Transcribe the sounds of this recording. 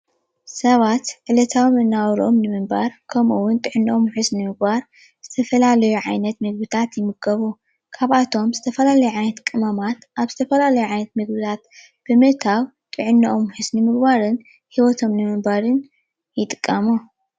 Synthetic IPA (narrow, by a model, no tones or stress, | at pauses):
sɐβat̪ʕɨlɐt̪ʰawmɨnːawɾo̞mnɨmɨmbaɾkʰɐmuwːʊnt̪ʼɨʕɨnːɨʔomħɨsnɨmɨɡ̚baɾ | z̥ɨt̪ʰɐfɐlalɐjuʕajnɐt̪mɨɡbɨt̪ʰat̪jɪmɨɡɐβu | kʰaβʔat̪ʰo̞mzɨt̪ʰɐfɐlalɐjuʕajnɐt̪kʼɨmɐmat̪ʔaβzɨt̪ʰɐfɐlalɐjuʕajnɐt̪mɨɡbɨt̪ʰat̪̚ | b̥ɨmɨʔt̪ʰaw | t̪ʼɨʕɨnːɐʔomħɨsnɨmɨɡbaɾɨn | hiwɔt̪ʰo̞mnɨmɨmbaɾɨn | jɪt̪ʼɨ̥kʼːɐmu